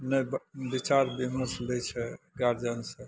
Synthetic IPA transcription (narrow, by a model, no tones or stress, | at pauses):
nəjbbit͡ʃaɾbiməɾslɛt͡ʃʰɛ | ɡaɾd͡ʒansə̃